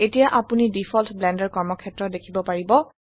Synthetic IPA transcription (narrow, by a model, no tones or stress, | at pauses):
etijaʔapunidipʰɔltblɛndɛɹkɔɹmɔkʰɛtɹɔt̚dekʰibɔpaɹibɔ